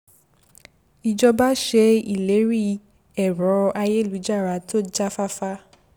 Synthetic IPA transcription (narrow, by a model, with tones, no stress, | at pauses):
i˨d͡ʒɔ˧ba˦ʃe˧i˦˨le˨˦ɾi˦˨ | ɛ˨ɾɔ˨˦a˧je˦˨lu˨˦d͡ʒa˦˨ɾa˧˦to˦d͡ʒa˦fa˦fa˦